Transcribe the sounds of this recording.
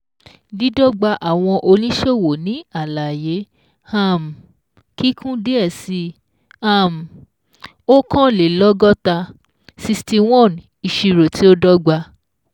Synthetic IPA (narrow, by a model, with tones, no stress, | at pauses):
li˨˦dɔ˦ɡ͡ba˧ʔa˨w̃ɔ̃˧ʔo˧lĩ˦ʃe˦˨wo˨nĩ˨˦a˦˨la˨je˨˦ | ha˦˨m˨ | ki˦kʰũ˦de˦ɛ˦˨si˧ | a˦˨m̩˨ | o˦kɔ̃˦le˨lɔ˦ɡɔ˦ta˧ | si˧sti˧w̃ɔ̃˦˨n | i˨ʃi˧ɾo˨ti˨˦o˦dɔ˦ɡ͡ba˧